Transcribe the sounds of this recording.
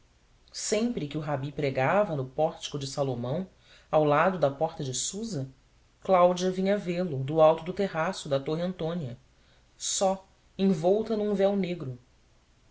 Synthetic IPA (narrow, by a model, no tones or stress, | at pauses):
sẽmpɾɪkɪʊɦabipɾeɡavɐnʊpɔɾt͡ʃɪ̥kʊd͡ʒɪsalomɐ̃w̃ | awlad̪ʊd̪ɐpɔɾt̪ɐd͡ʒɪsuzɐ | klawd͡ʒiɐvĩɲɐvelʊd̪ʊawt̪ʊd̪ʊt̪eɦasʊd̪ɐt̪oɦɐ̃nt̪õniɐ | sɔ | ẽj̃vɔwt̪ɐnũvɛwneɡɾʊ